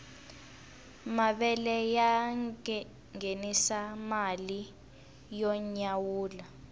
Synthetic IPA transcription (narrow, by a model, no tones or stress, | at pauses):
maɓɛlɛja | ŋenisamali | jɔɲawuːla